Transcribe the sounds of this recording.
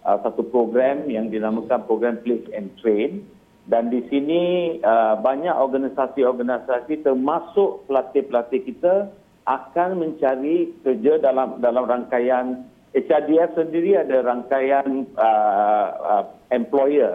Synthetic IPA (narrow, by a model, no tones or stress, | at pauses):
ʔəsat̪upɾoɡɾɛmjaŋdinamãkanpɾoɡɾɛmplesɛnt̪ɾen | dandisiniəbaɲakɔrɡanisasiɔrɡanasasit̪ərmasʊʔpəlat̪ɪpəlat̪ɪkit̪a | ʔakanmə̃ɲt͡ʃaɾikərd͡ʒadalamdalamraŋkajan | ɛt͡ʃadiɛfsəndiɾiadaɾaŋkajanə | ə | ɛmplojə